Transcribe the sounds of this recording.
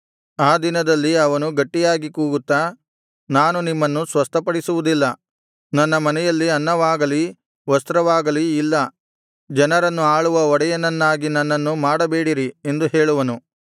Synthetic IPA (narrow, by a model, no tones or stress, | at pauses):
aːd̪inɐd̪ɐlːiɐʋɐnuɡɐʈːijaːɡikuːɡut̪ːaː | naːnunimːɐnːusʋɐst̪ʰɐpɐɽisuʋud̪ilːɐ | nɐnːɐmɐnɛjɐlːiɐnːɐʋaːɡɐli | ʋɐst̪ɾɐʋaːɡɐliːlːɐ | d͡ʒɐnɐɾɐnːuaːɭuʋɐɔɽɐjɐnɐnːaːɡinɐnːɐnːumaːɽɐbeːɽiɾie̞nd̪uɦe̞ːɭuʋɐnu